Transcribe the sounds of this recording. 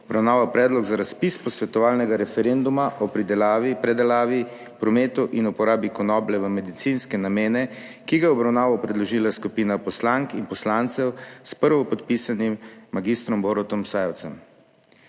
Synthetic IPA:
ɔbɾawnaːʋapɾɛːd̪lɔɡzaɾaspispɔsʋɛt̪ɔʋaːlnɛɡaɾɛfɛɾend̪umaʔɔpɾid̪ɛlaːʋipɾɛd̪ɛlaːʋi | pɾɔmeːt̪ɔʔinupɔɾaːbikɔnɔːblɛʋəmɛd̪it̪sinskɛnameːnɛ | kiɡajɛɔbɾawnaːʋɔpɾɛd̪lɔʒiːlaskupiːnapɔslaŋkinpɔslant̪sɛwspəɾʋɔpɔt̪pisanimːaɡist̪ɾɔmboɾɔt̪ɔmsaːjɛwt̪sɛm

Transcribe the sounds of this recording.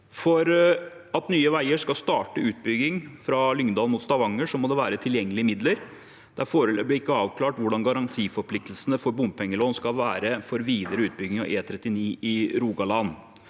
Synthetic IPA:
fɔɾ | ɑt̪nyːəʋæɪəʂkɑlst̪ɑːʈəʉːt̪̚bʏɡɪŋfɾɑlʏŋnd̪ɑːlmuːt̪st̪ɑʋɑŋːəʂɔmɔd̪ɛːʋæːɾət̪ʰɪljɛŋːəlɪəmɪd̪ləɾ | d̪̥æɾfoːɾəblɪɪkːəɑːʋkʰlɑːʈʋʊɖɑnɡɑɾɑnt̪ʰiːfɔɾpʰlɪk̚t̪lsənəfɔɾbʊmpʰɛŋːəloːnskɑlʋæːɾəfɔɾʋiːd̪əɾəʉːt̪̚bʏɡɪŋɑ̰ʔeːt̪ʰɾɛt̪ːɪniːɪɾuːɡɑlɑn

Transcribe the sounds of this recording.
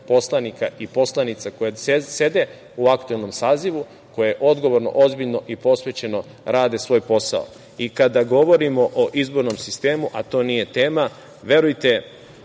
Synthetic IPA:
po̞slˠanikaʔipo̞slˠanit̪sako̞jase̞d̪e̞ | uakt̪ue̞lno̞msaːziʋu | ko̞jeeʔo̞d̪ɡoʋo̞ɾno̰ʔozbiʎno̞ʔipo̞sʋe̞t͡ɕe̞no̞ | ɾaːd̪e̞sʋo̞ːjpo̞sa̰o̰ | ikad̪aɡo̞ʋo̞ɾimo̞ʔoʔizbo̞ɾnomsist̪e̞ːmuʔat̪o̞ːnije̞t̪e̞ːma | ʋje̞ɾujt̪e

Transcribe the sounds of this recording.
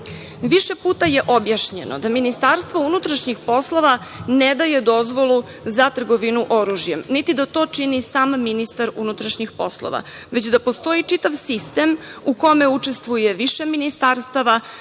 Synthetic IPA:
ʋiʃe̞puːt̪aje̞ʔobjaʃɲe̞no̰d̪aminist̪aɾst̪vʋo̞unut̪ɾaʃɲixpo̞slˠo̞ʋa | ned̪aje̞d̪o̞zʋo̞lˠu | zat̪r̩ɡo̞ʋinuʔo̞ɾuʒjemnit̪id̪at̪o̞ːt͡ʂinisaːmːinist̪aɾunut̪ɾaʃɲixpo̞slˠo̰ʋa̰ | ʋe̞t͡ɕd̪apo̞st̪o̞it͡ʂit̪aʋsist̪e̞muko̞me̞ut͡ʂe̞st̪ʋuje̞ʋiʃe̞minist̪aɾst̪aʋa

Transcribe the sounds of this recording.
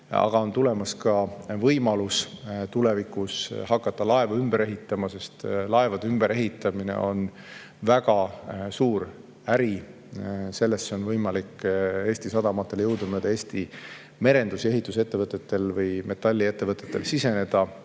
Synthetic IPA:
ɑ̰ɡ̥ɑo̞nt̪ule̞mɑskɑvɤjmɑlust̪ule̞vikːˑusɦɑkːˑɑt̪ːɑlɑe̞vɑymb̥eɾe̞ɦit̪ːˑɑmɑse̞st̪lɑe̞vɑd̪eymb̥eɾe̞ɦit̪ːˑɑminḛʔo̞̰n | væɡɑsuːɾ | æɾi | se̞lːe̞st̪seo̞nvɤjmɑlike̞ːsʲt̪isɑd̪̥ɑmɑt̪ːˑe̞ljowd̪̥ɑmøːd̪̥ɑe̞ːst̪i | me̞ɾe̞nd̪̥use̞ɦit̪ːˑuse̞t̪ːe̞vɤt̪ːˑet̪ːe̞lvɤjme̞t̪ːˑɑlʲːie̞t̪ːe̞vɤt̪ːˑe̞t̪ːe̞lsise̞ne̞d̪̥ɑ

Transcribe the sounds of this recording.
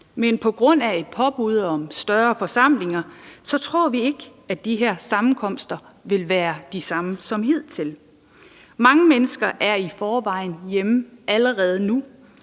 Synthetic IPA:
menpʰɒ̽ɡ̥ʁɔ̽n̰æe̝d̥̚pʰɒ̽b̥uð̞ˠɒ̽msd̥ɶɐfɒ̽sɑ̈m̰le̝ŋɐsɒ̽t͡sʰʁo̝ɐ̰ʋie̝ɡ̥əæd̥iɦeɐ̰sɑ̈mn̩kʰɒ̽m̰sd̥ɐʋe̝lʋæːɐd̥isɑ̈məsɒ̽mhið̞̰ˠt͡sʰe̝l | mɑ̈ŋəmenəsɡ̥ɐʔæɐifɒːʋɑ̈ɪ̰n̩jeməʔæləʁɛːð̞ˠənu

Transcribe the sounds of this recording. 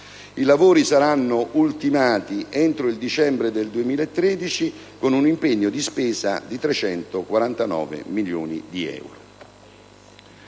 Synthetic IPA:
ilavoːɾisaɾanːoʔult̪imaːt̪iʔent̪ɾoild̪it͡ʃɛmbɾed̪eld̪uemiːlaet̪ːɾeːd̪it͡ʃi | konunimpeɲːod̪ispeːza̰d̪it̪ɾet͡ʃɛnt̪okwaɾant̪anɔ̰ːvḛmiljṵːnid̪iɛ̰wɾo

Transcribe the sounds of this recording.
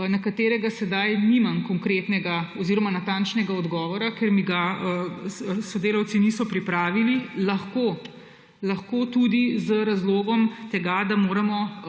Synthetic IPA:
nakat̪eːɾɛɡasɛd̪ajnimamkɔŋkɾet̪nɛɡaɔziːɾɔmanat̪ant͡ʃnɛɡaɔd̪ɡɔːʋɔɾakeɾmiɡaə | sɔd̪eːlawt̪sinisɔpɾipɾaːʋililɐxko | lɐxkot̪ud̪izəɾazloːɡɔmt̪ɛɡad̪amoːɾɐmɔ

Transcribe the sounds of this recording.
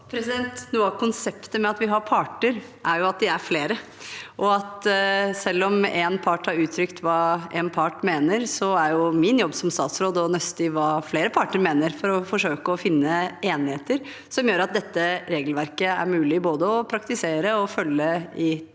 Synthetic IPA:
pʰɾɛsɪd̪ɛnt̪nuːɑʋkʰʊnsɛpt̪əmɛɑt̪ʋɪɦɑɾpʰɑʈəɾ | ʔæɾjʊɑt̪̚d̪ɪæɾfleːɾə | ʔɔɑt̪sɛlːɔmɛnpʰɑʈhɑɾʉːt̪ʰɾʏkt̪ʰʋɑːʔɛnpʰɑʈmeːnəɾsɔæɾjʊmɪnjɔbːsɔmst̪ɑːt̪sɾoːd̪ɔnɛst̪ɪʋɑːfleːɾəpʰɑʈəɾmeːnəɾfɔɾɔfɔʂøːkəɔfɪnːəeːnɪheːt̪əɾ | sɔmjøːɾɑt̪̚d̪ɛt̪ːəɾeːɡlʋæɾkəæ̰ɾmʉːlɪboːd̪əɔpʰɾɑkt̪ɪseːɾəɔfœlːəɪ

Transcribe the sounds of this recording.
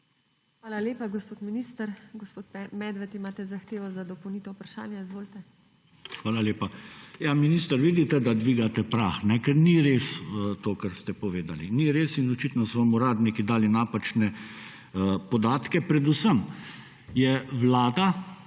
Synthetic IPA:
xʋaːlaleːpaɡospoːt̪miniːst̪əɾɡɔspoːt̪mɛd̪ʋɛt̪imaːt̪ɛzaxt̪eːʋɔzad̪ɔpownit̪ɔupɾaʃa̰ːnjaizʋoːlt̪ɛ | xʋaːlaleːpajaminiːst̪əɾʋiːd̪it̪ɛd̪ad̪ʋiːɡat̪ɛpɾaxnɛkɛɾniɾesət̪oːkaɾst̪ɛpɔʋeːd̪aliniɾeːsinɔt͡ʃit̪nɔsɔʋamuɾaːd̪nikid̪aːlinaːpat͡ʃnɛ | pɔd̪aːt̪kɛpɾɛd̪usəm | jɛʋlaːd̪a

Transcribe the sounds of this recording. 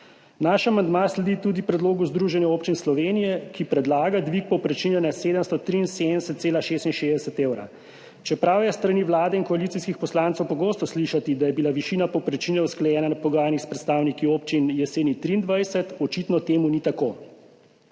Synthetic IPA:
naʃamand̪maslɛd̪it̪ud̪ipɾɛd̪loːɡuzd̪ɾuːʒɛnjɛoːpt͡ʃinslɔʋenijɛkipɾɛd̪laːɡad̪ʋik̚pɔwpɾɛt͡ʃinɛnaseːd̪əmst̪ɔt̪ɾiːinsed̪nɛsɛt̪̚seːlaʃeːst̪inʃeːzd̪ɛsɛt̪eːwɾa̰ | t͡ʃɛpɾawjɛst̪ɾaniʋlaːd̪ɛinkɔalit̪siskixpɔslaːnt̪sɛwpɔɡoːst̪ɔsliʃat̪id̪ajɛbilaʋiʃiːnapɔwpɾɛt͡ʃiːnɛusklajɛːnanapɔɡaːjanixspɾɛt̪st̪aːwnikioːpt͡ʃinjɛseːnit̪ɾiːnd̪ʋajsɛt̪ɔt͡ʃit̪nɔt̪eːmunit̪akoː

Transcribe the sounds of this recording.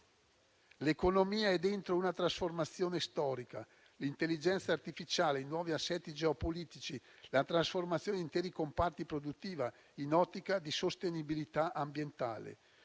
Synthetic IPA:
lekonomiːaɛd̪ent̪ɾounat̪ɾasformat̪sːjoːnest̪ɔːɾika | lint̪elːid͡ʒɛnt̪sart̪ifit͡ʃaːleinwɔːviasːɛt̪ːid͡ʒeopoliːt̪it͡ʃilat̪ɾasformat̪sːjoːneint̪ɛːɾikompart̪ipɾod̪ut̪ːiːva | inɔt̪ːikad̪isost̪enibilit̪aʔambjent̪a̰ːlḛ

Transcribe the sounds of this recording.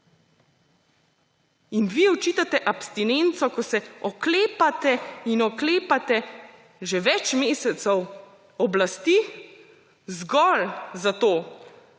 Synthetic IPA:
inʋiɔt͡ʃiːt̪at̪ɛʔapst̪inent̪sɔkɔsɛɔkleːpat̪ɛinɔkleːpat̪ɛ | ʒɛʋɛt͡ʃmeːsɛt̪sɛw | ɔblast̪i | zɡɔlzat̪oː

